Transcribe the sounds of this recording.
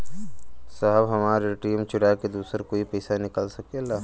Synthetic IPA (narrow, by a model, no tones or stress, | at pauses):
saɦəbɦɐmaːɾeʈiːmt͡ʃʊɽaːked̪uːsəɾkoːipɛːsanɪkəlsɐkelaː